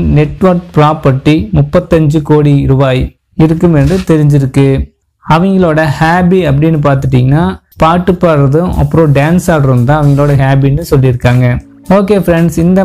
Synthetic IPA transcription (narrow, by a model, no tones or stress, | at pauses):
nɛʈːʋɐɾk̚pɪɾaːpɐɾʈːimʊpːɐt̪ːɐɲd͡ʒɯkoːɽiɾʊbaːj | ɪɾɯkːɯmɛndrɯt̪ɛɾɪɲd͡ʒɪɾɯkːɯ | ɐʋɐŋɡɐɭoːɽɐhaːbiɐp̬ːɐɽɪnːɯp̬aːɾt̪ɯʈ̬ːiːŋɡɐnaː | paːʈːɯpːaːɾɐðɯ̃ʔɐ̰pːɯɾõːɖaːnsaːɽɾɯnt̪ãːɐʋɐŋɡɐɭoːɽɐɦaːbinːɯsɔlːiɾɯkːaːŋɡɐ | oːkeːfɾɛɳɖsɪnd̪ɐ